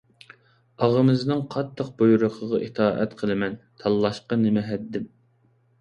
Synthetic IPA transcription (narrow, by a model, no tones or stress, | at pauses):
ɑʁəmɪznɨŋqʰɑt̪ʰːəq̚bujuɾʊqʰəʁɑʔit̪ʰɑːʔɛ̰t̪qʰəlˠɨmɛnt̪ʰɑlˠːɑʃqɑnɪmɛɦɛd̪ːɪm